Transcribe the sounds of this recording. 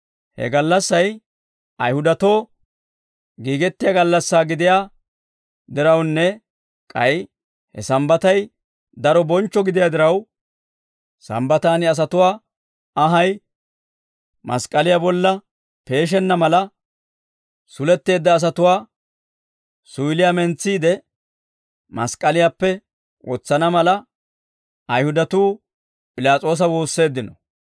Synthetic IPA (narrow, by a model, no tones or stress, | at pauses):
hɛ̰ɡɐlːɐsːɐj | ɐjhʊd̪ɐt̪o̞ː | ɡiːɡɛt̪ːɪjaɡɐlːɐsːaːɡɪd̪ɪjaː | d̪ɪɾɐwnːɛ | kʼɐj | hɛ̰sɐmbɐt̪ɐj | d̪ɐɾɔbɔnt͡ʃːɔɡɪd̪ɪjaːd̪ɪɾɐw | sɐ̰mbɐt̪aːnɪɐs̬ɐt̪ʊwaː | ɐɦɐj | mɐ̰skʼːɐlɪjabɔlːɐ | pe̞ːʃ̬ɛnːɐmɐlɐ | sʊlɛt̪ːe̞ːd̪ːɐːs̬ɐt̪ʊwaː | sʊɪlɪjamɛnt͡sːiːd̪ɛ | mɐ̰skʼɐlɪjapːɛ | wʔɔ̰t͡sːɐnɐmɐlɐ | ɐjhʊd̪ɐt̪uː | pʼɪlaːt͡sʼo̞ːs̬ɐwo̞ːsːe̞ːd̪ːɪnɔ